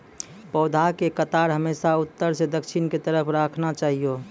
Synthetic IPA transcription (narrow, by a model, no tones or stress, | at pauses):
pɔːd̪ʱakekət̪aːɾɦəmeːsaʊt̪ːəɾsed̪əkʃʰɪnket̪əɾəpʰɾaːkʰnat͡ʃaːɦijo